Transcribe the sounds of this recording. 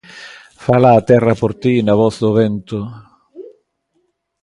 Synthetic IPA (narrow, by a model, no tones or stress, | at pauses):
falaːt̪ɛrːapoɾt̪inavɔsʊvɛnt̪ʊ